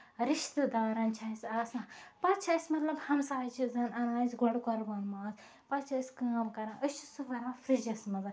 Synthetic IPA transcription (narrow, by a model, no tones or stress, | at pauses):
ɾiʃt̪ɨd̪aːɾɐnt͡ʃʰaisʲaːsãpɐt̪t͡ʃʰɐsʲmɐt̪lɐbhɐmsaːt͡ʃʰizɐnɐnãːzɡɔɽkɔɾbɐnmaːz | pɐt̪t͡ʃʰɐsʲkaːmkɐɾãːʔəst͡ʃʰi̥sufɐɾãːfɾid͡ʒɐsmɐzɐ